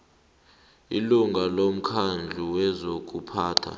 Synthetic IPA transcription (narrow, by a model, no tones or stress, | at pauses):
iluŋʱalom̩kʰand͡ɮʱuwɛzok̬ʼupʰaːtʰa̰